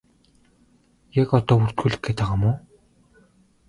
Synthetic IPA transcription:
jakɔt̪ɔːpur̥t̪xuːɮɘ̆kːeːt̪aʁămʊː

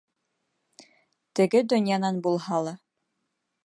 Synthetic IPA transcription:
t̪ɘ̆ɡɘd̪ɵ̆njɑnɑnbulˠhɑlˠɑ

